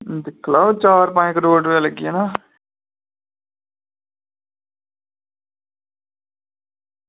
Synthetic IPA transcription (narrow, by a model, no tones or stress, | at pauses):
d̪ɪkʰːlaːot͡ʃaːɾpãːkəɖoːʈːaləɡieːnaː